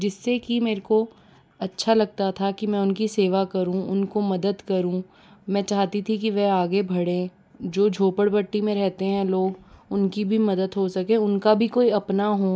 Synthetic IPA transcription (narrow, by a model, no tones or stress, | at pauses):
d͡ʒɪsːekimeːɾko | ɐtːʃʰalɐɡ̚t̪at̪ʰakimɛ̃ːʊnkiseːʋakɐɾũʊnkomɐd̪əd̪kɐɾũ | mɛ̃ːt͡ʃaːɦt̪it̪ʰikiʋɛaːɡebʱɐɽẽ | d͡ʒoːd͡ʒʱoːpəɽpɐʈːimẽɾɛɦt̪eɦɛ̃loːɡʊnkibʱimɐd̪əd̪ɦosɐkẽʊnkabʱikoːiɐpnaɦoː